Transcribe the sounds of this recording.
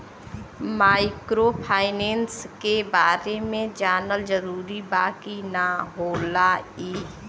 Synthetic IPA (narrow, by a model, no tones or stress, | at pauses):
maːɪkɾopʰaːɪneːnskebaːɾemẽd͡ʒaːnəld͡ʒəɾuːɾibaːkinaɦoːlaiː